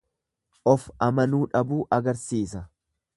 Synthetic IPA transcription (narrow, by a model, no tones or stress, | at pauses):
ʔɔfɐmɐnuːᶑɐbuːʔɐɡɐɾsiːsɐ